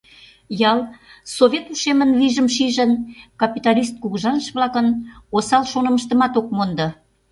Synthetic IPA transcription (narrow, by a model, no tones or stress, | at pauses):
jɑlsoβʲet̪uʃemənliʒəmʃiʒənkɑpit̪ɑlʲist̪̚kuɣʒɑnəʃβlɑkənosɑlʃonə̆məʃt̪ə̆mɑt̪ok̚mond̪ɤ̆